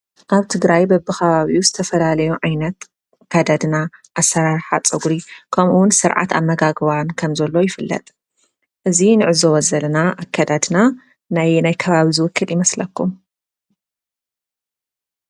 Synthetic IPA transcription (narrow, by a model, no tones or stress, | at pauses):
ʔaβt̪ʰɨɡɾajbɐbːɨxʰɐβaβiuzɨt̪ʰɐfɐlalɐjuʕajnɐt̪ | kʰːad̪ad̪naʔasːɐɾaɾħat͡sʼɨɡuɾikʰɐmʔuwʊnsɨɾʕa̰t̪ʰa̰mːɐɡaɡβankʰɐmzɐlːo̞jɪfɨlːɐ̰t̪ʼ | ʔɨzinɨʕɨzowɔzɐlnaʔakʰːad̪ad̪na | najnajkʰɐβaβizɨwʊkːɨljɪmɐslɐkːum